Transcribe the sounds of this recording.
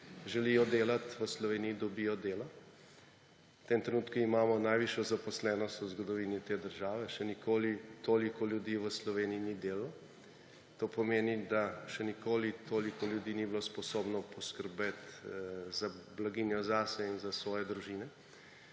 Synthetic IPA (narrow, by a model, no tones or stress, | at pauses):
ʒɛlijɔd̪eːlat̪ʋəslɔʋeːnijid̪ɔbijɔd̪eːlɔ | t̪emt̪ɾɛnuːt̪kuimaːmɔnajʋiʃjɔzapɔslɛːnɔst̪uzɡɔd̪ɔʋiːnit̪eːd̪əɾʒaːʋɛʃɛnikoːlit̪oːlikɔljud̪iːʋəslɔʋeːniinid̪eːlaɔ | t̪oːpɔmeːnid̪aʃɛnikoːlit̪ʰoːlikɔljud̪iːnibilospɔsoːbnɔpɔskəɾbet̪zablaɡiːnjɔzasɛinzasʋɔːjɛd̪ɾuʒiːnɛ